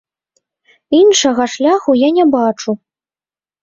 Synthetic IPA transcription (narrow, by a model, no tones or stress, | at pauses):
inʂɐɣɐʂlʲaxujanʲɛbat͡ʂu